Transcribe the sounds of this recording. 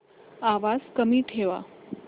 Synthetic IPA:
aʋaskəmiːʈʰeʋa̰

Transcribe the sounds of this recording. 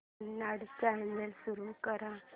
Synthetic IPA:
naɽt͡samelsuɾukəɾã

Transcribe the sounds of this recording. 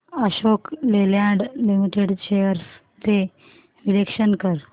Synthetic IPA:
əɕokleljãɳɖlimiʈeɽt͡ɕejəɾs | t̪e | ɾilekʂənkəɾ

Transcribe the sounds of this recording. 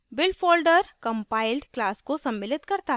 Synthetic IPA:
bɪlfoːlɖəɾkɐ̃mpaːɪlɖklaːskosɐ̃mːɪlɪt̪kɐɾt̪aɦɛ

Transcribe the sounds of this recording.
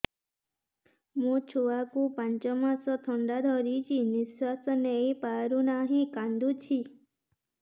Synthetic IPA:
mũt͡ʃʰowakupant͡ʃɔmasɔt̪ʰɔɳɖad̪ʱɔɾit͡ʃʰiniswasɔnejpaɾunaɦĩkand̪ut͡ʃʰi

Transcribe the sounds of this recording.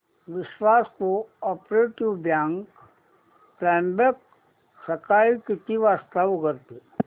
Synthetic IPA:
ʋɪʃwaːskoɔːpɾeːʈiʋbjãːŋk | pɾɛ̃ːmbek | sɐkaːikɪt̪iʋaːst̪aʋkəɾt̪e

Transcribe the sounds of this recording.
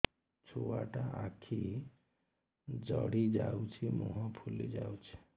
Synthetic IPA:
t͡ʃʰuwaʈaʔakʰi | d͡ʒəɽid͡ʒaut͡ʃʰimoɦɔ̃pʰulid͡ʒaut͡ʃʰi̥

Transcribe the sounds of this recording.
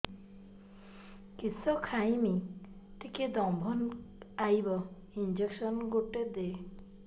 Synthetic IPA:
kisɔkʰajmi | t̪iked̪ɔmbʱɔnajbɔ | ind͡ʒeksɔnɡoʈed̪e

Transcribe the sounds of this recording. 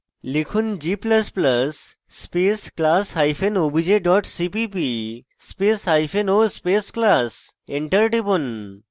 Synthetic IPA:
lekʰund͡ʑipləspləsː | pesklasɦajfʰenobʱid͡ʑeɖɔʈsipipi | spesɦajpʰenospesklas | eɳʈəɾʈibun

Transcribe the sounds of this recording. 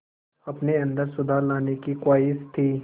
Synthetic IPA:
ɐpneɐ̃nd̪əɾsʊd̪ʱalaːnekikaːɪst̪ʰiː

